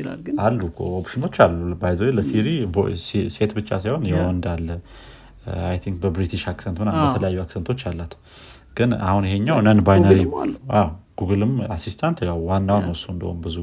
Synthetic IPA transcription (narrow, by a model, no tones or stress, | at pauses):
alːuopʃɨno̞t͡ʃːalːubajzoɾeləsiɾib̰sse̞t̪bɨt͡ʃːa̰sajho̞njɛwɔnd̪alːə | ajt̪ʰiŋk̚bəbɾit̪ʰiʃaksent̪mɨnabət̪ʰələjajːuaksent̪ʰo̞t͡ʃːalːat̪ | ɡ̥ɨna̰hunjiɦeɲːawnənbajnəɾiawɡ̥uɡɨlɨmasist̪ʰant̪jawwanːawnəwsuɨnd̪ə̰ho̰mbɨzu